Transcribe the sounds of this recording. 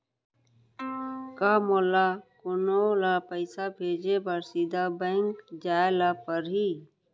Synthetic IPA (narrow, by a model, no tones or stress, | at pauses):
kamolakonolapəɪsabʱeːd͡ʒebəɾsid̪abə̃ɪŋkd͡ʒaelapəɾɦi